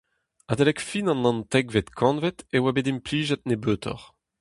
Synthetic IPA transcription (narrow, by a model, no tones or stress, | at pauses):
adelɛkfinɑ̃nːɑ̃nt̪ɛkvet̪kʰɑ̃nvɛt̪ewabed̪empliːʒɛt̪̚nebøːt̪ʰɔ̰ʁ